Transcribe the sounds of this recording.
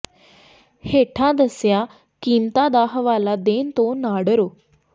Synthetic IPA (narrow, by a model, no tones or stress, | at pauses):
heʈʰãd̪əsja | kimt̪ad̪aɦʋalad̪ent̪onaɽəɾo